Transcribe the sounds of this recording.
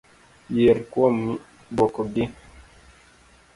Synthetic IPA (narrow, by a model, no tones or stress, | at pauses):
jeɾkwɔm | bɔkɔɡi